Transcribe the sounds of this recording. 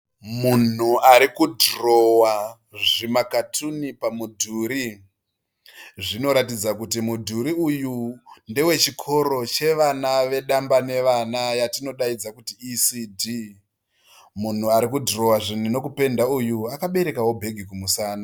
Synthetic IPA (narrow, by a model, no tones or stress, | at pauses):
mun̤uaɾikudro̞wa | ʐimakatʰunipamudʱuɾi | ʐino̞ɾatid͡zakutimudʱuɾiujunde̞we̞t͡ʃikʰo̞ɾo̞t͡ʃe̞ʋanaʋe̞ɗambane̞ʋanajatino̞ɗaid͡zakutiːsidʱiː | mun̤uaɾikudro̞waʐin̤uno̞kupe̞ndaujuakaɓe̞ɾe̞kawo̞bʱe̞ɡʱikumusaːna